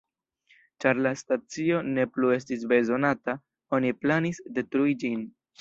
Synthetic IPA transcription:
t͡ʃaɾlastat͡sio̞ne̞plue̞s̬tis̬be̞zo̞nata | o̞niplanisde̞tɾuid͡ʒin

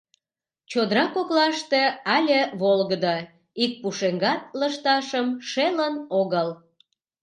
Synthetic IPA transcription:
t͡ɕod̪ɾɑkoklɑʃt̪eɑlʲeβolɣəd̪ə | ik̚puʃeŋɡɑt̪̚ləʃt̪ɑʃəmʃelənoɣəl

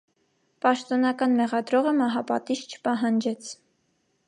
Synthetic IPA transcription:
pɑʃt̪ɔnɑkɑnmɛʁɑd̪ɾɔʁəmɑɦɑpɑ̰t̪iʃt͡ʃʰə̥pɑɦɑnd͡ʒɛt͡sʰ

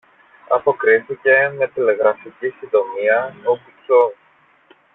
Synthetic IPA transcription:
ɐpo̞kɾiθice̞mɐt̪ile̞ɣɾɐficisind̪o̞miɐopuson

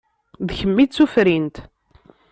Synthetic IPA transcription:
ðçəmːid̪t͡sːufɾint̪

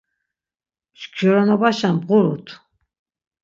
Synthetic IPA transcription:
mʃɡʒɔɾɔnɔbaʃanbʁuɾut̪ʰ

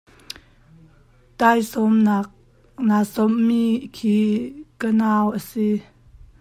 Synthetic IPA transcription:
tajsɔmnak̚ | nasɔmːikʰikənaːwʔəsi

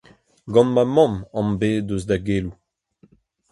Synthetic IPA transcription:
ɡɑ̃nmamɑ̃mɑ̃mbeːdøzdaɡeːlu

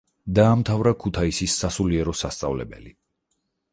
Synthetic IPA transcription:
d̪aːmt̪ʰavɾakʰut̪ʰaisisːasuliɛɾɔsast̪sʼa̰vlɛ̰bɛ̰li

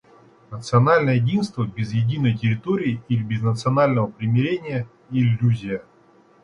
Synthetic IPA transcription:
nət̪sɨɐnalʲnəjəjɪdʲinst̪vəbʲɪzjɪdʲinəjtʲɪɾʲɪt̪oɾʲɪːilʲɪbʲɪznət̪sɨɐnalʲnəvəpɾʲɪmʲɪɾʲenʲɪjə | ɪlʲːuzʲɪjə

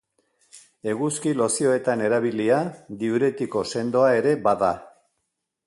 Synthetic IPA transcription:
e̞ɣuskilo̞sio̞e̞t̪ane̞ɾaβiliad̪iuɾe̞t̪iko̞se̞nd̪o̞ae̞ɾe̞baða

